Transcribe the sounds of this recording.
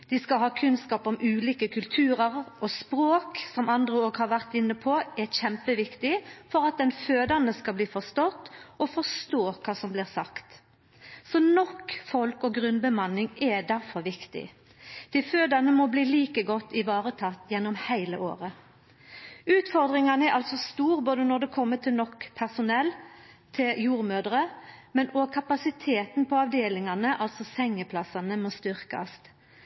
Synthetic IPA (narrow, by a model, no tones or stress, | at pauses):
d̪̥ɪskɑlɦɑːkʰʉnskɑːpɔmʉːliːkəkʰʉlt̪ʰʉːɾəʁɔspɾoːksɔmɑnd̪ʁəoːɡhɑʁʋæʁt̪ɪnːəpʰɔɛɾçɛmpəʋɪkt̪ɪfɔɾɑt̪̚d̪ɛnføːd̪ɑnəskɑbliːfɔst̪ɔt̪ːɔfɔst̪oːkʰɑːsɔmblɪːʁsɑkt̪ | sɔnɔkfɔlkɔɡɾʉnbəmɑnɪŋɛd̪æɾfɔɾʋɪkt̪ɪ̰ | d̪̥ɛføːd̪ɑnəmɔbliːliːkəɡɔt̪ːɪʋɑːʁət̪ʰɑt̪ːjɛnːɔmhæɪlə̰ʔo̰ːʁə | ʉːt̪fɔʁd̪ʁɪŋɑnəɛɾʔɑlsɔst̪uːʁboːd̪ənɔʁd̪ɛkʰɔmːət̪ʰɪlnɔkpʰæʁsʊnɛlː | t̪ʰɪljuːʁmøːd̪ʁəmɛnɔkʰɑpɑsɪt̪ʰeːt̪npʰɔɑʋd̪eːlɪŋɑnəʔɑlt̪sɔsɛŋːəpʰlɑsɑnəmɔst̪ʏɾkɑ̰st̪